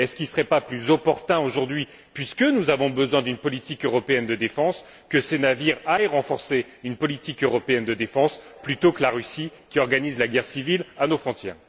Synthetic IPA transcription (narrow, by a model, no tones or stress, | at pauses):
ɛskʲilsə̥ʁɛpaplyzɔpɔʁt̪ɛ̃oʒuʁd̪ɥi | pɥiskənuzavɔ̃bəzwɛ̃d̪ynpɔlit̪ikøʁɔpeɛnd̪əd̪efɑ̃s | kəsenaviʁajʁɑ̃fɔʁse | ynpɔlit̪ikøʁɔpeɛnd̪əd̪efɑ̃splyt̪okəlaʁysikʲiɔʁɡanizlaɡʲɛʁsivilanofχɔ̃t̪jɛːʁ